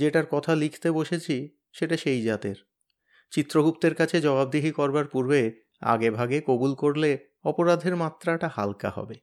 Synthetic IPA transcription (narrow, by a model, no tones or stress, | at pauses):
d͡ʑeʈaɾkɔt̪ʰalikʰt̪eboʃet͡ɕʰi | ʃeʈaʃejd͡ʑat̪eɾ | t͡ɕit̪ːɾoɡupt̪eɾkat͡ɕʰed͡ʑɔbab̚d̪iɦikɔɾbaɾpuɾbe | a̰ɡebʱaɡekobulkoɾle | ɔpoɾad̪ʱeɾmat̪ːɾaʈaha̰lka̰hɔ̰be